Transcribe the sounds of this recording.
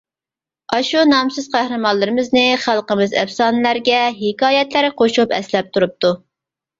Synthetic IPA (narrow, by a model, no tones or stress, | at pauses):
ɑʃunɑmsɨz̥qʰæhɾɨmɑlːɨɾɨmɪznɪχælˠqəmɨzɛ̰fsɑːnɨlæɾɡʲɛɦɪkɑːjɛt̪læɾqʰoʃupɛ̰slɛp̚t̪ʰuɾup̚t̪ʰu